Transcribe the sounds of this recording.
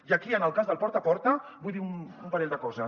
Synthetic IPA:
iəkiənəlˠkazðəlˠpɔɾt̪apɔɾt̪əbujðiunumpaɾeʎʲd̪əkɔzə

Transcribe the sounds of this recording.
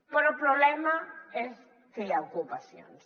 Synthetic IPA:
poɾopɾoβlemaes | kelaokupasjo̰n

